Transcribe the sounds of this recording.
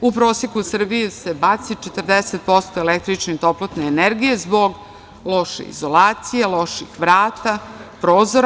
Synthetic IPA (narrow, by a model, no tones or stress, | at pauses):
upɾoːsjekusr̩bijuse̞bat̪sit͡ʃet̪r̩d̪eset̪̚po̞st̪oelek̚t̪ɾit͡ʃnet̪oplot̪neːneɾɡije̞zboɡ | lˠo̞ʃḛḭzo̞laːt̪sijeloʃixʋɾaːt̪apɾoːzoɾ